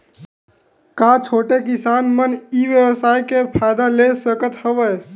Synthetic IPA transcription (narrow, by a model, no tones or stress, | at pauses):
kat͡ʃʰoːʈek̬ɪsaːnməniːʋjəʋəsaːjkepʰaːɪd̪alesəkət̪həʋəj